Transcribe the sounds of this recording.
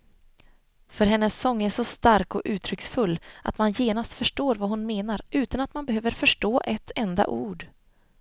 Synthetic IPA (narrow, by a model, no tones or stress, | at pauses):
fœɾɦɛnːəsːɔŋːæʂɔst̪aɾkɔʔʉ̟ːt̪ʰɾʏksfɵlːʔa̰t̪manjeːnast̪fœʂʈoːɾvaɦʊnmeːnaɾʉ̟ːt̪anat̪manbɛɦøːvəɾfœʂʈoːʔɛt̪ʰːɛnd̪a̰ʔuːɖ